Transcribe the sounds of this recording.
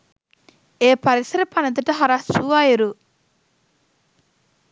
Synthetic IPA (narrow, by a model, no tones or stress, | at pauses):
eːpɐɾisɐɾɐpɐnɐt̪ɐʈɐɦɐɾasuʋaːjiɾu